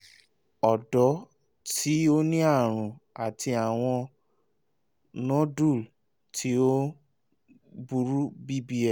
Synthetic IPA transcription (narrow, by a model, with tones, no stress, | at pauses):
ɔ˨dɔ˨˦ | tʰi˦o˦nĩ˦a˦˨ɾ̃ũ˨a˨ti˧a˨w̃ɔ̃˧ | nɔ̃˦du˦˨ | tʰi˦o˦ | bu˧ɾu˦bi˦bi˦ɛ˦˨